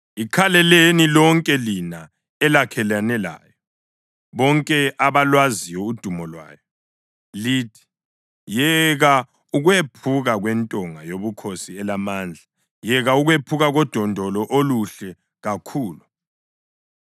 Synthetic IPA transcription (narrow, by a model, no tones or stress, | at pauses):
ikʰalɛlenilɔŋkʼɛlina | ɛlakʰɛlanɛla̰ːjɔ | βɔŋkʼɛʔaβalwazijɔud̥ʱumɔlwa̰ːjɔ | liːtʰi̥ | jɛɣa | uɣwepʰuɣaɣwɛntʼɔŋajoβukʰosiɛlamaːnd͡ɮʱa | jɛɣauɣwepʰuɣaɣɔd̥ʱɔndʱɔlɔʔoluɬɛ | ɣakʰuːlu